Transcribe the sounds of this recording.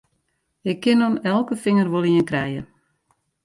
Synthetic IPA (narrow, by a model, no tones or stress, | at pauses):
ɪkʰːɪnonɛlˠkəfɪŋərʋolˠiənkrɛjə̰